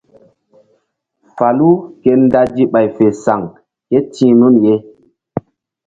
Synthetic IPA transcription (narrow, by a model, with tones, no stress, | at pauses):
fa˨lu˦ke˦n˦da˦d͡ʒi˦ɓa˨jfe˨sa˨ŋ | ke˦tʰĩː˦nu˦nje˦